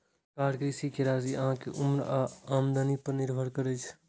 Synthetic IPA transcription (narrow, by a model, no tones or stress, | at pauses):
kaɽkɾisikeɾaziə̰ɦãkeʔumɾaːmd̪ənipəɾniɾbʱəɾkəɾət͡ʃʰ